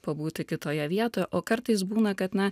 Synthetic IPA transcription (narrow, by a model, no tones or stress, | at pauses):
pɐbuːt̪ʲɪkʲɪt̪oːjɛʋʲiɛt̪oːjɛʔoːkɐɾt̪ɐɪs̬buːnɐkɐt̪nʲɛ